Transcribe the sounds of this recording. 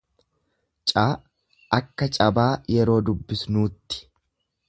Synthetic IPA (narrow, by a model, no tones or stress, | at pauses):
t͡ʃʼaː | ɐkːɐt͡ʃʼɐbaːjɛɾo̞ːd̪ʊbːɪsnuːt̪ːɪ̥